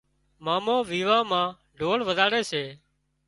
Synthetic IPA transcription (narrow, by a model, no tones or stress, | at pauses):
maːmõːʋiːʋãːmãː | ɖʱoːɽʋəzaːɽeːseː